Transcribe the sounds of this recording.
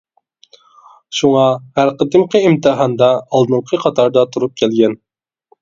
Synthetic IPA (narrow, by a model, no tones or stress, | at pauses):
ʃuŋɑhæɾqəd̪ɨmqʰəimt̪ʰɨɦɑnd̪ɑːlˠd̪ɨmqʰəqʰɑt̪ʰɑɾd̪ɑt̪ʰuɾup̚kʲʰɛlɡʲɛn